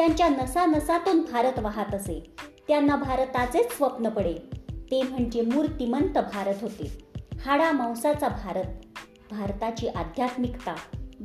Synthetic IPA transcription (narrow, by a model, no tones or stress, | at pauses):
t̪jaɲt͡ɕjanəsanəsat̪uːnbʱaɾət̪ʋaɦat̪əset̪janːabʱaɾt̪at͡set͡ssʋəpnəpəɽet̪em̤əɳd͡ʑemuːɾt̪imənt̪əbʱaɾət̪ɦot̪ḛhaɽamãwsat͡sabʱaɾət̪̚ | bʱaɾt̪at͡ɕiːʔad̪ʱjat̪mikt̪a